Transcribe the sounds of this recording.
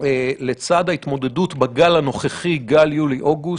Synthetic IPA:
ele̞t͡sad̪hait̪mo̞d̪e̞dutbaɡalano̞χeχiɡaljuliʔo̞ɡu

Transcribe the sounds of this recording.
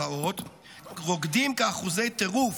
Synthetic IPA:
ao̞t̪ | ʁo̞ɡd̪imkaaχuzejt̪eʁuf

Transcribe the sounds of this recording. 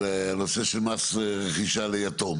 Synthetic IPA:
eanoseʃelmasʁeχiʃalejat̪om

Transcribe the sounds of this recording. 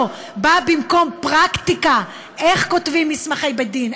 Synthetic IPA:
babimko̞mpʁakt̪ika | ʔeχko̞t̪vimːismaχejbed̪in

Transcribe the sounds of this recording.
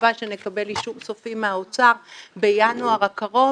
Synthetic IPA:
aʃe̞nekabe̞liʃuvsofimeaot͡saʁbejanuaʁakaʁo̞

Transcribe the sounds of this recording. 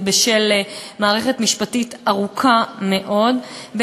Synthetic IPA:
beʃelmaːʁeχetmiʃpatitaʁukʰame̞ʔo̞dbe

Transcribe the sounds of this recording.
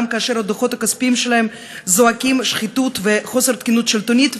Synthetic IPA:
mkaːʃeɾad̪oχo̞t̪hakaspiimʃelahem | zoakimʃχit̪ut̪veχo̞seʁt̪kinut̪ʃelt̪onit̪

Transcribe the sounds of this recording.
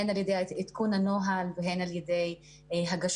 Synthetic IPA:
enaljedejit̪kunhano̞ɦalveɦenaljede̞j | ɦaɡaʃ

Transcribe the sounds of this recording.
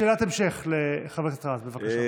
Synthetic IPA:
eːlat̪emʃeχleχavet̪at̪ʁazbevakaʃa

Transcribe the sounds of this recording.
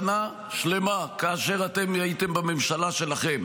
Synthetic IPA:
na | ʃle̞makaːʃe̞ʁat̪e̞mjait̪embamemʃalaʃe̞laχe̞m

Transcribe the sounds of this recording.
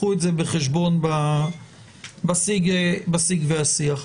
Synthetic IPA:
utzebəχɛʃbɔnba | basiɡəbasiːɡvɛasiaχ

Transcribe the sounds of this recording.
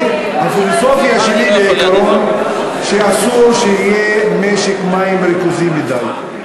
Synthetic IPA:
hafilosofiaʃenibeikaɾon | ʃeasuɾʃeijemeʃekmaimɾikuzimbidalt

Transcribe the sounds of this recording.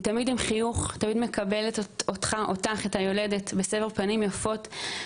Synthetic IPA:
tamidimχijuχtamidme̞kabe̞leto̞tχaʔo̞taχetajo̞le̞detbesefeʁpanimjafo̞t

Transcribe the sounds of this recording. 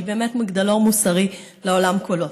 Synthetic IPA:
beːmet̪maɡd̪alomusɐʁileolamkolo

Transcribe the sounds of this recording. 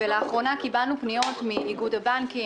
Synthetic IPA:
eleaχʁo̞nakibalnupnijo̞tmiːɡudabaŋki

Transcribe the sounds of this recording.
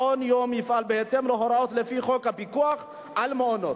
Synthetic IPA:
onjomjifʔalbeet̪emloɦoɾao̞t̪lefiχo̞khapikuaχ | ʔalmeonot

